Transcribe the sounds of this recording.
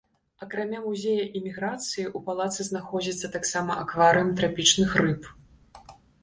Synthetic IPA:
ɐkɾamʲamuzʲejɐʔimʲiɣɾat̪sɨjiʔupalˠat̪sɨznaxɔd͡zʲit̪sːɐt̪aksamɐʔakvaɾɨjɐmt̪ɾapʲit͡ʂnɨxrɨp

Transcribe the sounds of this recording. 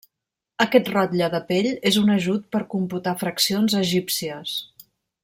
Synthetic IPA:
əkɛt̪rɔt̪ʎəðəpeʎezunəʒut̪̚pəɾkumput̪afɾəksionzəʒipsiəs

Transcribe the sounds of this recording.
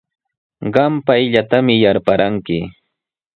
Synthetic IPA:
ɢɑmpajʎat̪amɪjaɾpaɾaŋkɪ

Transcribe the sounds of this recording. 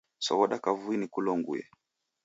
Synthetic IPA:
sɔβɔɗakavuinikulɔŋɡṵjɛ̰

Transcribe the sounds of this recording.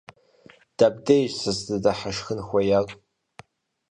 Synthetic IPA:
d̥ab̚dejʒsɨzdɨdaħaʂxɨnxʷajakʼ

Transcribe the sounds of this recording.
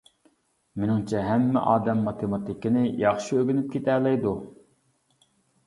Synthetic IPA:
menɪŋt͡ʃʰɛɦɛmːɪ̰ʔɑːd̪ɛmːɑt̪ʰemɑt̪ɪkʲɪnɪjɑχʃiøɡʲynyp̚kʲʰet̪ʰælɛjd̪u

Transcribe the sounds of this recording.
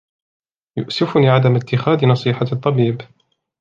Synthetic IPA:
jʊ̰ʔsɪfʊniːʕad̪amɪt̪ːɪxaːd̪nɑsˤiːħat̪ˤːɑbiːb

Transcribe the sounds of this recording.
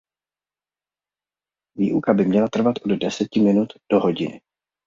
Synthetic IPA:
viːʔukabɪmɲɛlat̪r̩vat̪ʔo̞ddɛsɛcɪmɪnut̪d̥o̞ɦo̞ɟɪnɪ̰

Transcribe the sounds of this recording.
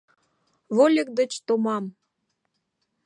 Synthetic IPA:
βolʲek̚d̪ə̆t͡ɕt̪omɑm

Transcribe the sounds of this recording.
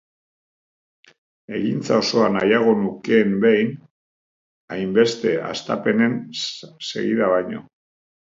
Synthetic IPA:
e̞ɣint͡sao̞so̞anajaɣ̞o̞nukeːmbejn | ajmbe̞st̪e̞a̰st̪a̰pe̞ne̞nse̞̰ɣḭðaβajɲo̞̰

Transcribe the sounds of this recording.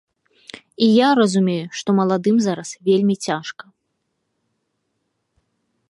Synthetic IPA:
ijaɾɐzumʲejuʂt̪ɔmɐlˠad̪ɨmzaɾɐsvʲelʲmʲit͡sʲaʂkɐ

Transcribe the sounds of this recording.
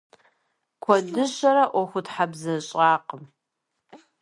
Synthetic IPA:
kʷʰɔdɨɕɐɾɐʔʷɔxʷʊtħabzɐɕʼɑːqəm

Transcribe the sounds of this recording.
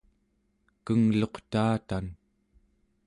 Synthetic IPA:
kəŋlo̞qt̪aːt̪an

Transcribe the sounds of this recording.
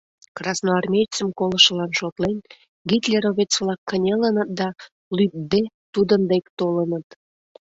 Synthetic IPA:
krɑsnoɑrmʲejt͡səmkoləʃəlɑnʃot̪len | ɡit̪lʲeɾoβet͡sβlɑkːənʲelənət̪̚d̪ɑ | lyp̚d̪e | t̪ud̪ənd̪ekt̪olənət̪

